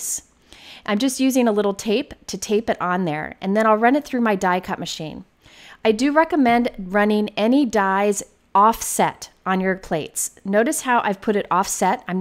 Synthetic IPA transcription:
s | ʔãɪ̃md͡ʒʌst̚jʉzɪ̃ŋəlɪɾl̩ˠtʰeɪptʰɨtʰeɪpɨɾn̩ðə̰˞ʔɨ̰̃nðɨ̃ɾ̃aɪlˠɹʌ̃nɨt̪̚θɹʉmaɪdaɪkʰʌʔ̚mɨʃḭ̃n | ʔaɪdɨɹɛkəmɛ̃ndɹʌ̃nɪ̃ŋɛnidaɪz | ɔfsɛɾn̩jə˞pʰl̥eɪtsnoʊɾɨshaʊʔaɪv̥pʰʊɾɨɾɔfsɛɾãɪ̃m

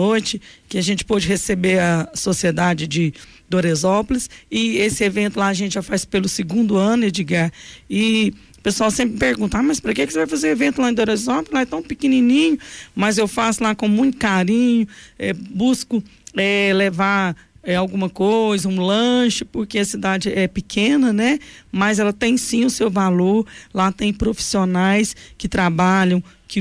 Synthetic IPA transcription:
ojt͡ʃɪkɪaʒẽnt͡ʃɪ̥pɔd͡ʒɪɦesebeɾɐsosied̪ad͡ʒɪd͡ʒɪ | d̪oɾezɔpolɪsɪesɪevẽnt̪ʊlaɐʒẽnt͡ʃɪʒafaspelʊsɪɡũnd̪ʊɐ̃nʊed͡ʒiɡaɾɪ | pesuawsẽmpɾɪpeɾɡũt̪ʊamɐspɾɐkekɪ̥sevajfazew̃evẽnt̪ʊlaẽd̪oɾezɔpolzlaɛt̪ɐ̃w̃pikininĩɲʊmɐzewfasʊlakõmũj̃t̪ʊ̥kaɾĩɲʊɛbuskʊɛlevaɾ | ɛawɡũmɐkojzɐũlɐ̃ʃʊpoɾkeɐsid̪ad͡ʒɪɛpɪkʰẽnɐnɛmɐzɛlɐt̪ẽj̃sĩʊsewvaloɾlat̪ẽj̃pɾofi̥sionajskɪt̪ɾabaʎɐ̃w̃kɪ

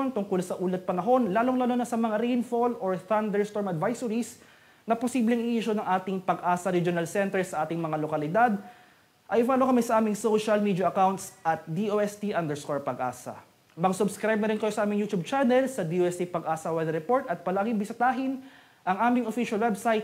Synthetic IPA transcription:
nt̪ʊŋkolsɐʔuːlɛt̪̚pɐnɐɦo̞nlaːloŋlɐlonɐsɐmɐŋaɾɛjnfolʔoɹθand̪ɛɹst̪oɹmɐd̪vajsʊɾis | nɐposiblɛŋʔɪʔiːʃonɐŋʔaːt̪ɪŋpɐɡʔaːsɐɾid͡ʒonalsɛnt̪ɛɹsɐʔaːt̪ɪŋmɐŋalokɐlɪd̪ad̪ | ʔɐjɪvaːlokɐmɛsɐʔaːmɪŋsoʃɐlmiːd̪ɐʔɐkawnt̪sʔɐt̪̚d̪iʔoʔɛst̪iʔɐnd̪ɛɹskoɹpɐɡʔa̰ːsɐ̰ | mɐɡsʊbskɾajb̚nɐɾɪnkɐjo̞sɐʔaːmɪŋjuːt̪ub̚t͡ʃanɛlsɐd̪ioɛst̪ipɐɡʔaːsɐwɛd̪ɐɾɛpo̞ɹt̪ɐt̪̚pɐlaːɡɪŋbɪst̪aːɦɪn | ʔɐŋʔaːmɪŋofiʃɐlwɛbsajt̪̚

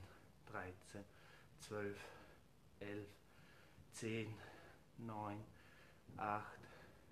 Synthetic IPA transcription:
d̥ʁaɪt͡sen | t͡sv̥œlf | ʔɛlf | t͡seːnː | ɔʏn | ʔaxt

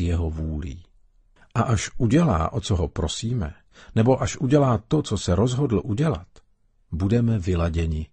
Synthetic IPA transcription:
jɛɦovuːlḭː | ʔaʔaʃʔuɟɛla̰ːʔot͡soɦopɾo̞siːmɛ̰ | nɛbo̞ʔaʃʔuɟɛlaːt̪o̞t͡sosɛɾo̞zɦodl̩ʔuɟɛla̰t̪ | budɛmɛvɪlaɟɛɲɪ

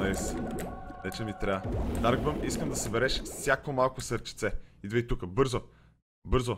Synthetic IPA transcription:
is | nɛt͡ʃɛmit̪ɾʲaəd̪aɾɡbəmiskəmd̪ɐsɐbɛɾɛʃfsʲjakomalˠkosəɾt͡ʃit̪sɛid̪vɛit̪ukəbɤɾzo | bɤɾzo

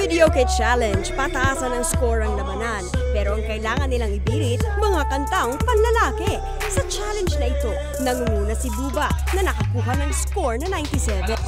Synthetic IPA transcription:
fɪd̪ɛokɛt͡ʃalɛnd͡ʒpɐt̪ɐʔaːsɐnɐŋskoɹɐŋlɐbɐnanpɛːɾo̞ʔɐŋkɐʔɪlaːŋɐnːɪlaŋɪbiːɾɪt̪̚mɐŋakɐnt̪aŋpɐŋlɐlaːkɛ | sɐt͡ʃalɛnd͡ʒnɐʔɪt̪o̞ | nɐŋuŋuːnɐsibuːbɐʔnɐnɐkɐkuːɦɐnɐŋskoɹnɐnajnt̪isɛvɛ

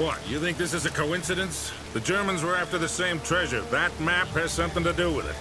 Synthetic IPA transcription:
wʌ̰tjɨθɪ̃ŋk̚ðɪsɨzɨkʰoʊɪ̃nsɨɾɨ̃ns | ðɨd͡ʒɜ˞mə̃nzwə˞æftə˞ðɨsẽɪ̃mtʰɹ̥ɛʒə˞ðɨt̚mæp̚hɨz̥sʌ̃mθɪ̃ŋtɨdɨwɪðɪ̰t̚

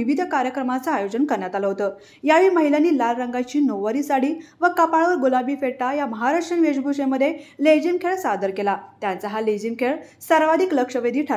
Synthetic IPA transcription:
iʋid̪ʱəkaɾjəkɾəmat͡səajod͡ʑənkəɾɳjat̪aləɦot̪əː | jaʋiːməɦilanːiːlalɾəŋɡat͡ɕiːnoʋːəɾiːsaɽiːʋəkapaɭʋəɾɡolabiːfeɭʈajaməɦaɾaʂʈəɳʋed͡ʑbʱuʂeməd̪ʱːjeled͡ʑimkʰeɭsad̪əɾkelat̪jant͡saɦaled͡ʑimkʰeɭ | səɾʋad̪ʱikləkʂəʋed̪ʱiːʈʰa

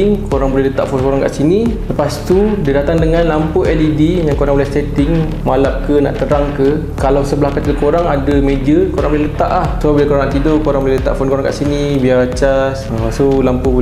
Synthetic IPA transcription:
ŋkoɾaŋbolɛhlət̪aʔfonkoɾaŋka̰ʔsiniləpast̪udidat̪aŋdəŋãnlampuʔɛdidijaŋkoɾaŋbolɛst̪et̪ɪŋ | malap̚kəna̰ʔt̪əɾaŋkə | kalawsəblahkat̪iləkoɾaŋadəmẽd͡ʒəkoɾaŋbolɛhlət̪a̰ʔlahsbabilakoɾaŋnaʔt̪idokoɾaŋbolɛɦlət̪a̰ʔfonkoɾaŋka̰ʔsinibiat͡ʃasəsolampub

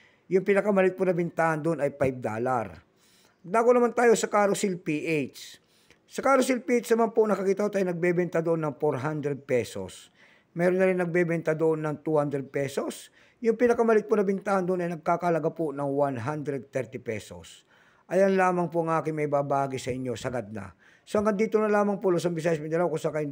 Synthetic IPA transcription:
jʊŋpɪnɐkamɐlɪt̪̚ponɐbɪnt̪aːʔɐnd̪ʊnɐjpajb̚d̪a̰ːla̰ɾ | d̪aːɡonɐmant̪aːjosɐkaːɾosɪlpiʔet͡ʃs | sɐkaːɾos̬ɪlpiʔejt͡ʃsnɐmanponɐkɐkiːt̪ɐot̪ajnɐɡ̚bɛbɛnt̪ad̪oʔonːɐŋfoɾɦand̪ɾɛd̪̚pɛso̰s | mɛːɾonːɐɾɪnːɐɡ̚bɛbɛnt̪ad̪oʔonːɐŋt̪uhand̪ɾɛd̪̚pɛso̞s | jʊŋpɪnɐkɐmɐlɪt̪̚pʊnɐbɪnt̪ahɐnd̪ʊnɐjnɐɡ̚kaːkɐhɐlɐɡapʊnɐŋwanɦand̪ɾɛd̪̚t̪ɛɾt̪ɪpɛso̰s | ʔɐjanlaːmɐŋpʊʔɐŋʔaːkɪŋmɐjbaːbaːɡɪsɐʔɪɲjo̞sɐɡad̪̚nɐ̰ | soɐŋɡɐnd̪iːt̪onɐlaːmɐŋpʊlos̬ɐŋbɪsaːjɐsmɐɪjd̪ɐlawkʊŋsakɐj

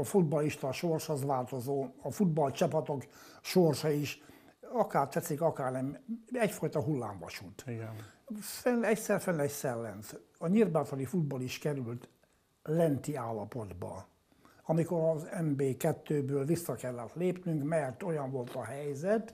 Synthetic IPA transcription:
ɒfud̪bɒliʃt̪ɒʃorʃhozʋaːlt̪ozoːɒfud̪bɒlt͡ʃɒpɒt̪ok | ʃorʃɒiʃ | ɒkaːrt̪ʋɛsːikɒkaːrnɛmɛcfɒjt̪ɒɦulːa̰ːɱvɒ̰ʃut̪ɡ | fɛnɛcsɛrfɛnɛcsɛlːɛnt̪ | ɒɲirbaːt̪oɾifud̪̚bɒliʃkɛɾylt̪ | lɛnt̪iaːlːɒpo̞d̪bɒ̰ | ɒmiko̞ɾɒzɛmbeːkɛt̪ːøːbøːlvisːɒkɛlːɛt̪leːpnyŋkmɛrt̪o̞jɒɱvo̞lt̪ɒɦɛjzɛt̪

